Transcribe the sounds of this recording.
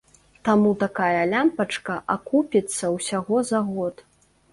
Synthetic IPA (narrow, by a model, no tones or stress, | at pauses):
t̪amut̪akajɐlʲampɐt͡ʂkɐʔakupʲit̪sːɐwsʲaɣɔzaɣɔt̪